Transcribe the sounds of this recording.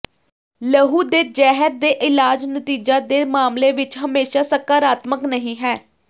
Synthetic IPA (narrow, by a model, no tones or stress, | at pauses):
ləɦuːd̪eːd͡ʒɛːɦəɾd̪eːʔɪlaːd͡ʒnət̪iːd͡ʒaːd̪eːmaːmleːʋɪt͡ʃɦəmeːʃaːsəkaːɾaːt̪məknəɦĩːɦɛː